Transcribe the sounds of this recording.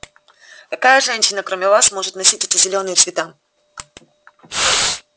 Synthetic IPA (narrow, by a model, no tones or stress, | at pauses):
kɐkajəʐɛnʲɕɪnəkɾomʲɪvasmo̞ʐɨt̪nɐsʲit̚ʲɛtʲɪzʲɪlʲo̞nɨjəsvʲɪt̪a